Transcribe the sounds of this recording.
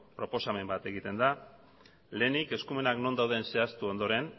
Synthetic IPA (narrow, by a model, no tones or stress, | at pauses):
pɾo̞po̞same̞mbat̪e̞ɣit̪e̞nd̪a | le̞ːnike̞skume̞nakno̞nd̪awðe̞nse̞ast̪uo̞nd̪o̞ɾe̞n